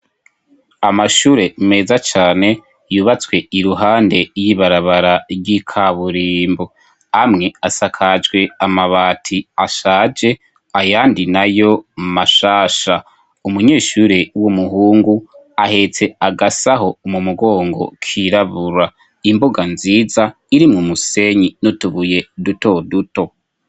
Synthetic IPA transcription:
amaʃuːɾe̞me̞ːzat͡ʃaːne̞ | juːβat͡swe̞iɾuɦaːnde̞jiβaɾaβaɾaɾɡikʰaβuɾiːmbo | amŋe̞asakʰad͡ʒɡwe̞amaβaːtʰiaʃaːd͡ʒe̞ | ajaːndinajo̞maʃaːʃa | umuɲe̞ːʃuːɾewumuɦuːŋɡu | ahe̞t͡se̞aɡasaɦo̞mumuɡo̞ːŋɡo̞̰kʰiɾaβuɾwa | imboɡanziːza | iɾimŋumuse̞ɲinotuβuje̞duto̞duto̞

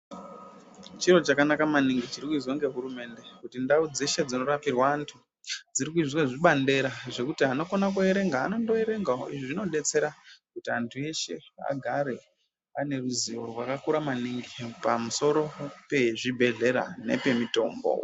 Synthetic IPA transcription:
t͡ʃiro̞t͡ʃakanakamaniŋɡit͡ʃiɾikuizoŋɡe̞ɦuɾume̞nde̞kutindaud͡ze̞ʃe̞d͡zino̞ɾapirwaːntʰu | d͡ziɾik̬uizweʐiɓande̞ɾaʐe̞kutiano̞konakue̞ɾe̞ŋɡaːno̞ndo̞e̞ɾe̞ŋɡao̰ʔiʐiʐino̞ɗe̞t͡se̞ɾakutiantʰue̞ʃe̞a̰ɡʱaɾe̞ | ane̞ruziorwakakuɾamaniŋɡipamuso̞ɾo̞pe̞ʐibʱe̞ɮe̞ɾa̰ne̞̰pe̞mito̞̰ːmbo̰

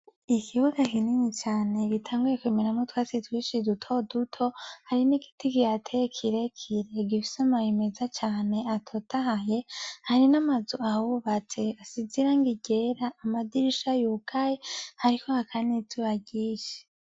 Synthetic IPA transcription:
ikʰiβuɡakiniɲit͡ʃaːne̞ɡitʰaːŋɡujekweminamotwaːt͡sitwiːʃidutʰo̞dutʰo̞haɾiniɡi̥tikijatʰekʰiɾekʰiɾe̞ɡifi̥samajemezat͡ʃaːne̞atʰotʰaɦaɦe̞haɾinamazuawuβat͡se̞asiziɾaŋɡiɟe̞ɾaʔːmadiɾiʃajukʰajehaɾikʰohakʰanizuβaɟiːʃe̥

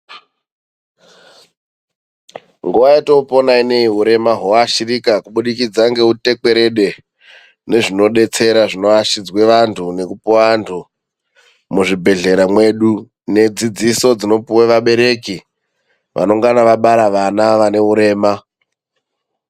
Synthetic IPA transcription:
ŋɡuʋaitoupo̞naine̞iɦuɾe̞maɦoaʃirikakuɓuɗikid͡zaŋɡe̞ɦute̞ke̞ɾe̞ɗe̞ | ne̞ʐino̞ɗe̞t͡se̞ɾaʐino̞aʃid͡zwe̞ʋantʰune̞kupuwantʰu | muʐibʱe̞ɮe̞ɾamwe̞ɗu | ne̞d͡zid͡ziso̞d͡zino̞puweʋaɓe̞ɾe̞ki | ʋʔa̰noŋɡanaʋaɓaɾaʋanaʋane̞ɦuɾe̞ːma

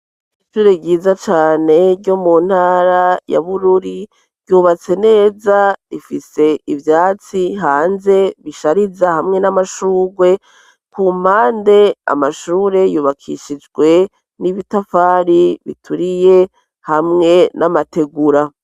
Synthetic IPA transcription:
iiʃuːɾebɟiːzat͡ʃaːne̞ɾɟomun̥haɾaja̰βuɾuɾi | ɾɟuːβat͡se̞ne̞ːzaɾifise̞ivjaːt͡siɦaːnze̞βiʃaɾizahamŋe̞namaʃuːɾɡwe̞ | kum̥aːnde̞a̰maʃuːɾe̞juːβakʰḭʃid͡ʒɡwe̞ | niβitafaːɾiβḭtʰuɾije̞ | hamŋe̞nʔamate̞ɡuɾa

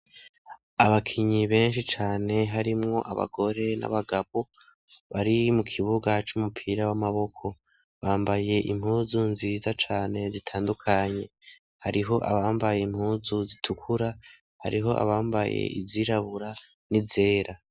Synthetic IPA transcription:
aβakʰiɲiβe̞ːnʃit͡ʃaːne̞ɦaɾimŋo̞̰ʔa̰βa̰ɡo̞ɾe̞na̰βaɡaβo | βaɾimukʰiβuɡat͡ʃumupʰiːɾawamaβo̞kʰo̞ | βaːmbaje̞ʔim̥huːzunzizat͡ʃaːne̞zitʰaːndukʰaɲe̞ | haɾiɦo̞ʔa̰βaːmbaje̞imhuːzuzitʰukʰuɾa | haɾiɦo̞ʔa̰βaːmbajḛḭziɾaβuɾa | nize̞ːɾʔa

